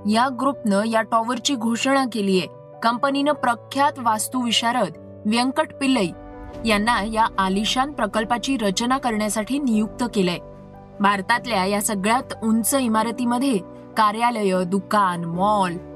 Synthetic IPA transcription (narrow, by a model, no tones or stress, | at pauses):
jaɡɾupnəjaʈɔʋəɾt͡ɕiːɡʱoʂɳakelije | kəmpəninəpɾəkʰːjat̪ʋast̪uʋiɕaɾət̪ | ʋjəŋkəʈpiləi | janːajaʔːliɕanpɾəkəlpat͡ɕiːɾət͡ɕnakəɾɳjasaʈʰiːnijuk̚t̪əkele | bʱaɾt̪at̪ljajasəɡɭjat̪unt͡səimaɾət̪iməd̪ʱːje | kaɾjaləjəd̪ukanmɔl